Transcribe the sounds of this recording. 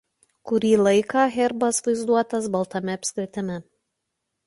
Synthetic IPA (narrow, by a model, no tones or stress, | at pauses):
kʊɾʲiːlˠɐɪkɑːɣʲɛɾbɐsʋɐɪzd̪uɔt̪ɐsbɐlˠt̪ɐmʲɛɐpʲsʲkʲɾʲɪt̪ʲɛmʲɛ